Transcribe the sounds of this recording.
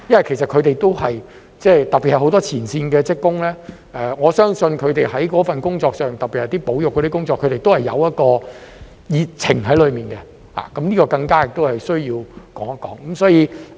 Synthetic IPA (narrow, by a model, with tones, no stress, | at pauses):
jɐ˥nwɐ˨˩kʰe˨˩s̬ɐ˨t̚kʰɵ˨˧t̪e˨jt̪o˥whɐ˨j | t͡sɛː˥˩t̪ɐ˨pːi˨t̚hɐ˨˩ho˨˥wt̪ɔː˥t͡sʰiː˨˩nsiː˧nkɛː˧t͡sɪ˥kːʊ˥ŋlɛː˥ | ɛ˧ŋɔː˨˧sœː˥ŋsɵ˧nkʰɵ˨˧ɥt̪e˨jɦɐ˨˥jkɔː˨˥fɐ˨nkʊ˥ŋt͡sɔː˧k̚sœː˨ŋt̪ɐ˨k̚piː˨thɐ˨jt̪i˥po˨˥wjʊ˨kːɔ˧ɾi˥kʊ˥ŋt͡sɔː˧kʰːɵ˨˧t̪e˨˩jt̪o˥hɐ˨jɐ̰˨˧wjɐ˥t̚kɔː˧ | jiː˨t̚t͡sʰɪ˨˩ŋɦɐ˨˥jlɵ˨˧ɥmiː˨˩nkɛ˧ | ha̰ː˨kɐ˨˥mniː˥kɔː˧kɐ˧ŋkaː˥jɪ˨k̚t̪o˥whɐ˨jsɵ˥ɥjiː˧wkɔː˨˥ŋɐ˥kːɔː˨˥ŋkɐ˨˦msɔː˨˥jiː˨˧